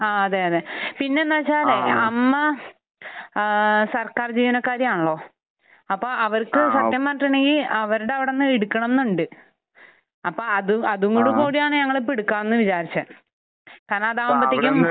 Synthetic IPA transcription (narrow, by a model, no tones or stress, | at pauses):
aːɐðeːɐðepinːe̞nːaːt͡ɕːaːleɐmːɐ | sɐrkaːrd͡ʑiːʋɐnɐkːaːɾjɐmaːɳɐɭːo̞ː | ɐpːo̞ːʔɐʋɐɾkɨsɐt̪jɐmːaːʈːuɳɖeŋɡilɐʋɐɾuɽeɐʋiɽenːɨeɽukːɐɳɐnːuɳɖɨ | ɐpːoːɐðuɐðuŋːoɽukuːɽijaːɳɨɲɐŋːɐɭep̬iɽukːaːnːɨʋit͡ɕaːɾit͡ɕːɐ | kaːɾnɐɐðaːmbɐt̪ːikʲːum